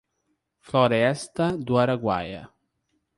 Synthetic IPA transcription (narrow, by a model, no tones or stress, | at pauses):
flɔɾeɛst̪ad̪uaɾaɡwa̰ja̰